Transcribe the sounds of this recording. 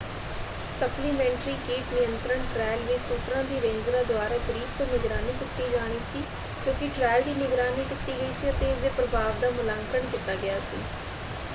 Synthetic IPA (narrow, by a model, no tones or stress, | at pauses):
səpliːmɛ̃ːɳʈɾiːkiːʈnɪjənt̪ɾəɳʈɾɛːlʋɪt͡ʃsuːʈɾãːd̪iːɾẽːnd͡ʒɾaːd̪ʊaːɾaːɡəɾiːbt̪õːnɪɡɾaːniːk̪ɪt̪ːiːd͡ʒaːɽ̃iːsiː | kjõːkɪʈɾɛːld̪iːnɪɡɾaːniːd̪ɪt̪ːiːɡəiːsiːəp̪eːɪs̬d̪eːpɾəbʱaːʋd̪aːmʊlaːŋkəəɳkit̪aːɡɪjaːsḭː